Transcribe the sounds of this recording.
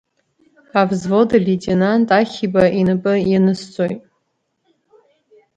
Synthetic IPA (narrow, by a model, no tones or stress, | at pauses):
avzvo̞dalʲitʼenantʼaχʲibainɨpʼɨjanɨst͡sʼojtʼ